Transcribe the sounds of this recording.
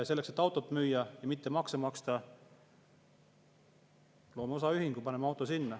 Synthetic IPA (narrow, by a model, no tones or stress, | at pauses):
ɑse̞lːekse̞t̪ːˑɑwt̪ːˑot̪ːˑmyːjːɑjɑmit̪ːemɑksemɑkst̪ɑ | lo̞ːmeo̞sɑyɦiŋɡ̥upɑnemeɑwt̪ːˑosinːæ